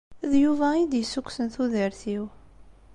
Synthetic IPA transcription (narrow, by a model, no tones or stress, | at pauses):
ðjuvæid̪jəsːukʷːsənθuðəɾθiw